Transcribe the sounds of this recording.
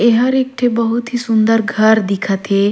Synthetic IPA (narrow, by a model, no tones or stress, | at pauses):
eɦɐɾek̚ʈʰebəɦut̪ɦisund̪əɾɡʱəɾd̪ikʰat̪ʰe